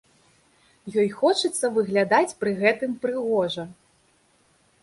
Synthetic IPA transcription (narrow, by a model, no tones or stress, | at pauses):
jɔjxɔt͡ʂɨt̪sːɐvɨɣlʲad̪at͡sʲpɾɨɣɛt̪ɨmpɾɨɣɔʐɐ